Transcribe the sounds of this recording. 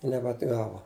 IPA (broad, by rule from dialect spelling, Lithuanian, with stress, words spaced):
ɪ nʲɛbʲɛɐdˈɡɑːʋoː